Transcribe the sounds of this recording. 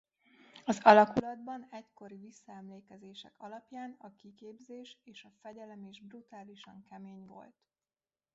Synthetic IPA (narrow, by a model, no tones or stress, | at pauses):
ɒzɒlɒkulɒd̪bɒnɛcko̞ɾivisːɒɛmleːkɛzeːʃɛkɒlɒpjaːnɒkikeːbzeːʃeːʃɒfɛɟɛlɛmeːʒbrut̪aːliʃɒŋkɛmeːɲvo̞̰lt̪